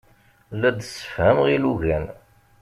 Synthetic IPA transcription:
lːæd̪sːə̥fhæmʁiluʝæn

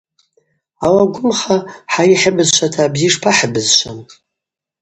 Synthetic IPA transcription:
awaɡʷʊmχaħaiħəbɨzʃʷʰatʰaːbziʂpʰaħəbɨzʃʷan

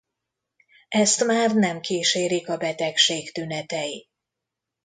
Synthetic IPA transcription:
ɛst̪maːrnɛmkiːʃeːɾikɒbɛt̪ɛkʃeːkt̪ynɛt̪ɛji

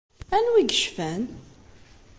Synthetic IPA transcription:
ænwiɡəʃfæn

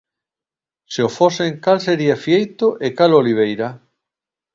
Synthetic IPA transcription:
seofoseŋkalseɾiafjiejt̪oʔekaloliβ̞ejɾa

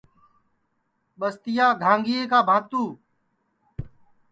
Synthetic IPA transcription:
ɓəst̪ɪjaːɡʱãːŋɡɪeːkaːbʱãːt̪uː

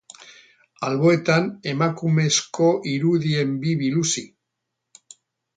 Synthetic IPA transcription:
alβo̞e̞t̪ane̞makume̞sko̞ʔiɾuðie̞mbiβilusi

